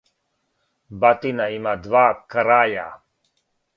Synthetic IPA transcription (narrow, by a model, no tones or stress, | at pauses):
bat̪inaimad̪vakɾaːja̰